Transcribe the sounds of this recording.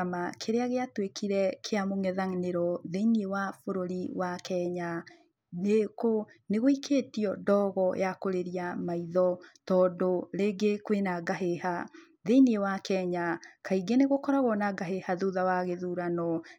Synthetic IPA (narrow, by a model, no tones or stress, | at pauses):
amakʰeɾeaɣeatwekʰiɾɛkʰeamoŋɛðaŋneɾɔðeiniewafoɾoɾiwakɛɲa | neko | neɣoikʰeːtiɔdɔɣɔjakoɾeɾiamaiðɔtɔːdoɾeɡekwenaɡaɦeha | ðeiniewakɛɲakaiɡɛneɣokɔɾaɣɔnaɡaɦehaðuðawaɣeðuɾanɔ